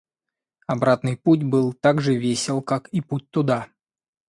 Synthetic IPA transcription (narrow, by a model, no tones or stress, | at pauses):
ɐbɾat̪nɨjput̬ʲbɨlˠt̪aɡʐɨvʲesʲɪlˠkakiput̚ʲt̪ʊd̪a